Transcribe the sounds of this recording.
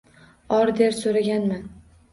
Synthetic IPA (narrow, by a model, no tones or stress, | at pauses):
ɒɾd̪eɾsoɾaɡʲanman